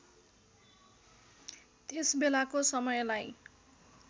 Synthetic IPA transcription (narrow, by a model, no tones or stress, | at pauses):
t̪esbelakosʌmʌjlaj